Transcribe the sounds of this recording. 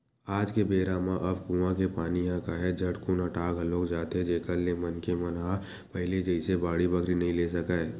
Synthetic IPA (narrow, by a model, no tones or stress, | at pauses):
aːd͡ʒkebeːɾãːmãʔɐbkũːʋãkepaːnijãkaːɦed͡ʒʱɐʈkʊnəʈaːkɦɐloːkd͡ʒaːt̪ed͡ʒeːkəllemɐnkemɐnaː | pɐɦɪled͡ʒəɪsebaːɽibɐkʰɾinɐɦĩleːsɐkaːe